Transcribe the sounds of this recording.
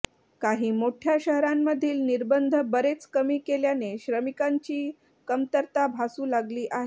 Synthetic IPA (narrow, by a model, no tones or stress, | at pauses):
kaɦiːmoʈʰjaɕəɦɾamːəd̪ʱiːlniɾbənd̪ʱəbəɾet͡skəmiːkeljaneɕɾəmikaɲt͡ɕiː | kəmt̪əɾt̪abʱasuːlaɡliːʔaɦe